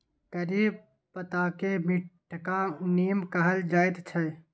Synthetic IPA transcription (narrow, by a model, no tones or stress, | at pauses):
kəɾiːb | pət̪akemɪʈʰːkaneːmkəɦəld͡ʒaːɪt̪t͡ʃʰə